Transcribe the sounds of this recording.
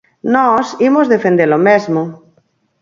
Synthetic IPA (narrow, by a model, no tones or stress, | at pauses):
nɔsimozðefend̪elomezmo